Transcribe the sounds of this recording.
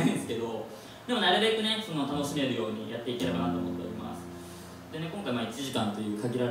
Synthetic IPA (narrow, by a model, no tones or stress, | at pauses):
ĩsɨ̥ke̞d̪o̞ | d̪̥e̞mo̞naɾɯ̟be̞kɯ̟ne̞so̞no̞t̪ano̞ɕime̞ɾɯjo̞ːɲ̟ijat̪ːe̞ike̞ɾebanat̪oːmot̪ːe̞o̰ɾʲḭma̰sɨ̥ | d̪e̞ne̞kõ̞ŋkaimaːit͡ɕiʑikãnt̪o̞jɯ̟ːkaɡʲiɾa